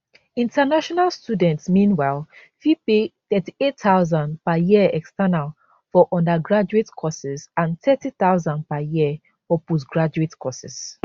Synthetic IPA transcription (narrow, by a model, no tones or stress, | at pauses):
ĩntanaʃɔnalstudɛ̃ntsmĩnwaɪl | fipeθɛtietaʊzãnpajiɛkstanal | fɔʔɔ̃ndaɡɹad͡ʒuetkʰɔsisãnt̪ɛtiθaʊzãnpajiə | fɔpos̬ɡɹad͡ʒuetkʰɔsis